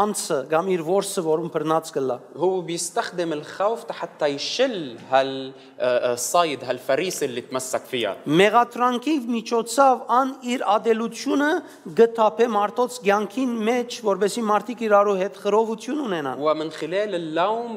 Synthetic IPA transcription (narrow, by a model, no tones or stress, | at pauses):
ɑnt͡sʰəɡɑmiɾvɔɾsəvɔɾumpʰəɾnɑt͡sɡəlːɑ̰hʊwːbjɪst̪axd̪ɪmɪlxawft̪ħat̪ːajʃɪlːhal | sˤːɑjd̪ɦalfaɾiːsɪlːit̪masːakfija̰mɛʁɑt̪ʰɾɑŋkʰivmit͡ʃʰɔt͡sʰɑvɑniɾɑd̪ɛlut͡s̪ʰjunə | ɡət̪ʰɑpʰɛmɑɾt̪ɔt͡sʰɡjɑŋkʰinmɛt͡ʃʰvɔɾbɛsimɑɾt̪ʰikiɾɑɾuɦɛt̪χəɾɔvut̪ʰjununɛnɑ̰nwɪmɪnxɪlɛːlɪlːowm